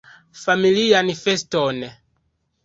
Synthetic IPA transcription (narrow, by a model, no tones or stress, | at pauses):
familianifestone